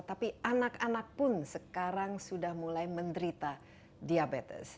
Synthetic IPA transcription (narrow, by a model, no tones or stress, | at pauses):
t̪apiʔanakanak̚pʊnsəkaɾaŋsudahmulajməndəɾit̪a | diabet̪ə̰s